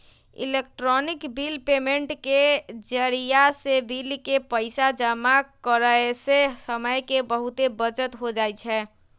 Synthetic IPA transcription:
ḭlek̚ʈɾɔnikbilpemeɳʈked͡ʒəɾijasebilkepəɪsad͡ʒəmakəɾəesesəməjkebəɦut̪ebət͡ʃət̪ɦod͡ʒajt͡ʃʰɛ

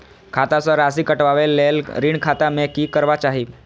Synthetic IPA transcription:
kʰat̪at͡sɔɾas̬iːkəʈʋaʋelːelɾiːɳkʰat̪amɛkiːkəɾʋat͡ɕaɦiː

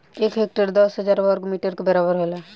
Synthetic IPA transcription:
eːkɦeːk̚ʈəɾd̪ɔsɦəd͡ʒaːɾʋəɾɡmiːʈəɾkabɛɾabəɾɦolaː

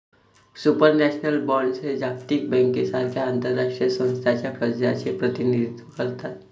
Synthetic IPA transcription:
supəɾnɛːʃnəlbɔːɾɳɖsed͡ʒaːk̚t̪ik̚bɛ̃ːŋkːesaɾkʰaãnt̪əɾːakʂijəsə̃nst̪ʰat͡ʃapəɾd͡ʒaʃepɾət̪ɪnid̪it̪wəkəɾt̪aɛ

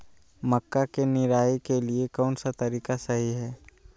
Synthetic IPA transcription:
məkːakenɪɾaːikeliekɔːnsat̪ɐɾiːkasɐɦiɦɛː

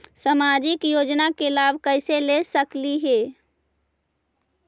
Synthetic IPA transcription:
səmad͡ʒikjod͡ʒnakelabʱkəɪselesəkliɦeː

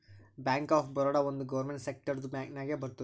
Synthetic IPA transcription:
bjaːŋkaːfbɐɾɔːɽaːond̪uɡɐʋɐɾmeɳʈsek̚ʈɐɾd̪ubaːknaːɡeːbɐɾt̪u

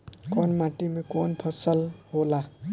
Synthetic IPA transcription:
kɔnmaʈimekonpʰʌsəlɦola

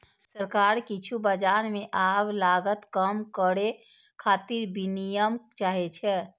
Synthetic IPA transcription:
səɾkaɾkit͡ʃʰubəd͡ʒaɾmeʔablaɡət̪kəmkəɽe | kʰat̪iɾbinijəmt͡ʃaɦɛt͡ʃʰɛ

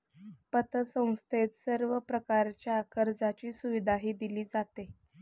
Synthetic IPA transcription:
pət̪əsə̃w̃st̪ʰet̪səɾʋəpɾəkaɾt͡ɕjaːkəɾd͡zat͡ɕiːsuʋid̪ʱaɦiːd̪iliːd͡zat̪e

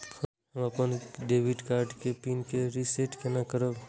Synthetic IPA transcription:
ɦəmɐpənɖeːʋiɖkaːɾɖkepiːnkeɾiseʈkenakəɾəb

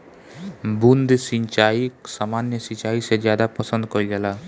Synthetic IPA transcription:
bund̪siɲt͡ʃaiksaːmanjəsit͡ʃaːised͡ʒjaːd̪apəsə̃nd̪̚kɔɾid͡ʒɛla

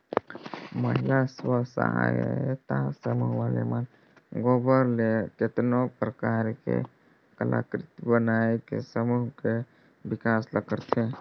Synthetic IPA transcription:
məɦɪlaswəsə̰ɦa̰j̰t̪asəmuɦwalḛmən | ɡobəɾleket̪nopɾəkaːɾkḛ | kəla̰ːkɾɪt̪bənaekḛsəmuɦke | bɪkaːsləɡəɾt̪ʰe

